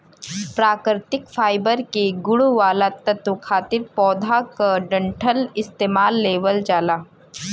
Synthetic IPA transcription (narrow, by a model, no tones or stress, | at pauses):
pɾaːkɾt̪ɪkfʰaːɪbəɾkeɡʊɽuʋaːlat̪ɐt̪ukʰaːt̪ɪɾpɔːd̪ʱakaɖɐ̃ɳʈʰəlɪst̪eːmaːlːeːʋəld͡ʒaːlaː